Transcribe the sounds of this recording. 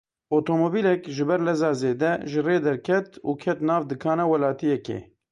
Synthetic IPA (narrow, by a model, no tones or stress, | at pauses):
ot̪ʰoːmoːbiːlɛkʒɨbɛɾlɛzɑːzeːd̪ɛʒɨreːd̪ɛɾkʰɛt̪ṵːkʰɛt̪nɑːvd̪ɨkʰɑːnɑwɛlaːt̪ijɛkḛː